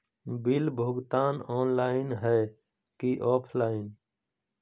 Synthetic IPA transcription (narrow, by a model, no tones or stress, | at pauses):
bɪlbʱoːɡt̪aːnɔːnlaːɪnɦɛː | kiʔɔːpʰlaːɪn